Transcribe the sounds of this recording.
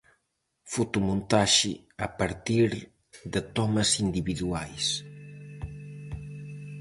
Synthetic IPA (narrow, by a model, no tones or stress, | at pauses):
fut̪umũnt̪aʃḭ | apaɾt̪iɾ | ðət̪ɔmɐsind̪iβiðuajs